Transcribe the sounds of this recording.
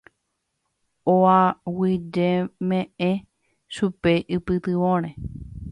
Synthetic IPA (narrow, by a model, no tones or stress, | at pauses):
oawid͡ʒemẽʔẽ | ʃupeʔɨpɨt̪ɨʋõɾ̃ẽ